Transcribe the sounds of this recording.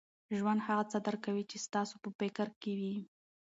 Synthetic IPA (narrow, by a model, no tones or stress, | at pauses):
ʒwand̪haɣat͡sad̪əɾkawit͡ʃest̪ɑsopəpekaɾkewi